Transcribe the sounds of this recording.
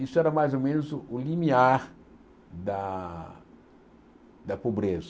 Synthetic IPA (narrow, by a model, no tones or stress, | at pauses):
isʊɛɾɐmajzomẽnʊzʊulimiaɾ | d̪a | d̪ɐpobɾezɐ